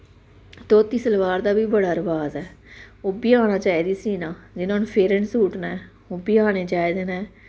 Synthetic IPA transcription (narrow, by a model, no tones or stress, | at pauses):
t̪oːt̪iːsəlʋaːɾd̪aːbiːbəɽaːɾəʋaːzɛːobiːãːñaːt͡ʃaːiːd̪iːsiːnãːd͡ʒɪnõːnpʰeːɾənsuːʈnaːɛː | obiːaːneːt͡ʃaːiːd̪eːnaː